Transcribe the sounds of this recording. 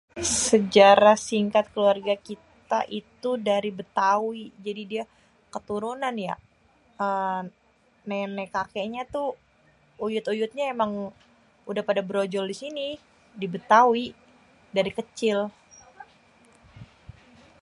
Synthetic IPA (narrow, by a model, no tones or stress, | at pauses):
səd͡ʒaɾasiŋkat̪̚kəluarɡakit̪a̰ʔit̪udaɾibət̪awid͡ʒadidia | kət̪uɾunanja̰ | ə | nɛnɛkakeɲat̪u | ujʊt̪ujʊt̪̚ɲaemaŋ | udahpadabəɾod͡ʒɔldisini | dibət̪awi | daɾikət͡ʃɪl